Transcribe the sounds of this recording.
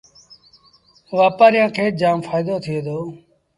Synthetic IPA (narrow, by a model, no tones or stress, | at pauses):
ʋaːpaːɾɪjãːkʰeːd͡ʒaːmfaːɪd̪oːt̪ʰɪjeːd̪oː